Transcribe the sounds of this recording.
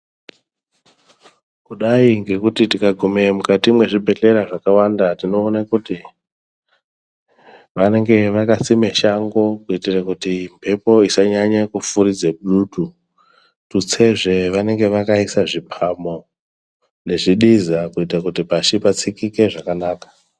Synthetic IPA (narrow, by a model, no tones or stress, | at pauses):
kuɗaiŋɡe̞kutitikaɡʱumemukatimwe̞ʐibʱe̞ɬe̞ɾaʐakawandatino̞ːnakuti | ʋane̞ŋɡe̞ʋakasime̞ʃaŋɡokuitirakutimpʰe̞po̞isaɲaɲakufuɾid͡zeɓɗutu | tut͡se̞ʐe̞ʋane̞ŋɡe̞ʋakaisaʐipʰamo̞ | ne̞ʐiɗizakuitakutipaʃipat͡sikike̞ʐakanaːkḁ